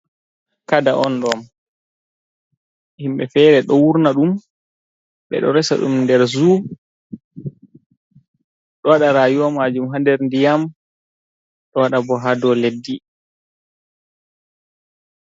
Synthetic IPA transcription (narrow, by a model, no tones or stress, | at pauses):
kadaʔɔnɗɔm | himɓɛfɛːɾɛɗɔwuɾnaɗum | ɓɛ̰ɗɔɾɛsa̰ɗṵmndɛɾzu | ɗɔwaɗaɾaːjuwamad͡ʒumɦandɛɾndijam | ɗɔwaɗabɔɦadɔledːi